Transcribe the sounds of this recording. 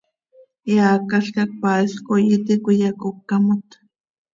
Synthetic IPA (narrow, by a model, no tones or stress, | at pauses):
jaːkaɬkak̚paːiskojit̪ikʷijakokːamot̪